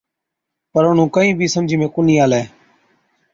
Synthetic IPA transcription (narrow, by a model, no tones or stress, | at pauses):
pəɾʊɳ̤ũːkəĩːbʱiːsəmd͡ʒʱiːmẽːkʊniːaːlɛː